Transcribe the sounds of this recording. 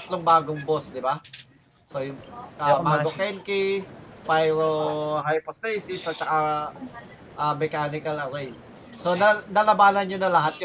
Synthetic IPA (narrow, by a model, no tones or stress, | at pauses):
t̪loŋbaːɡoŋbosd̪ɪba | sojʊŋɐbaːɡokɛnkipajɾoɦajpost̪ɛjsɪsʔɐt͡ʃɐka | ʔɐmɛkaːnɪkɐlɐɾɛj̚ | so̞nɐnɐlɐbaːnɐnɲonɐlɐɦat̪̚j